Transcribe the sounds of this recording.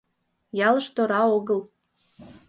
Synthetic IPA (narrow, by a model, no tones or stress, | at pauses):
jɑləʃt̪oɾɑoɣəl